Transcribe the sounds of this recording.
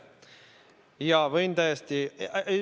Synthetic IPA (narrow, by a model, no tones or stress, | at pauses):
jɑvɤjnt̪æjest̪i